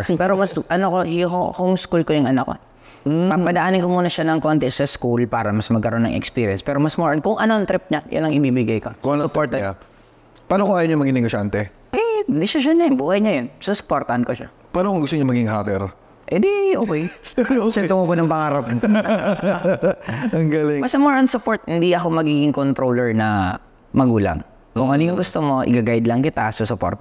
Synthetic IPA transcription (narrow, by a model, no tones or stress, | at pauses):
pɛːɾomɐsʔɐnokohohomskulkojʊŋʔɐnɐko̰ | ɐpɐd̪ɐʔaːnɪŋkomuːnɐʃanɐŋkont̪ɛsɐskulpaːɾɐmɐsmɐɡ̚kɐɾo̞nɐ̰ŋʔɛ̰kspiːɾiɛ̰nspɛːɾomɐsmoɹnkʊŋʔɐnoɐŋt̪ɾɪp̚ɲɐjʔa̰nlːɐŋɪbibɪɡɐjkɐkʊŋɐnospoɹt̪ɐa | paːnokoaːjoɲʊmɐɡinɪɡoʃant̪ɛ | ʔɛd̪ɪsɪʃɐnːɐjʊŋbuːhɐjɲajonsʊsʊ̥poɾt̪ɐhɐnkoʃa̰ | paːnokoŋɡʊst̪oɲamɐɡɪŋɦat̪ɛɾ | ʔɛd̪ioːkɛjsɛt̪okokonɐŋpɐŋaːɾɐp̚o | ɐŋɡaːlɪŋbɐsɐmoɹɐnsʊpoɹt̪̚hɪnd̪iʔɐko̞mɐɡiːɡɪŋkont̪ɾoːlɛɹnɐ | mɐɡuːlɐ̰ŋ | kʊŋʔɐniɲoɡʊst̪omoʔɪ̰ɡaɡajd̪lɐŋkɪt̪ɐsɐsʊpoɾt̪ɐ